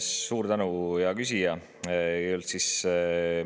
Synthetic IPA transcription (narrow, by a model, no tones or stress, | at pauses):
sːuːɾt̪ænujɑkys̬ʲijɑ | olt̪sis